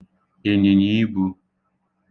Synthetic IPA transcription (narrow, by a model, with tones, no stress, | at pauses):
e˨ni˨ɲi˦bu˧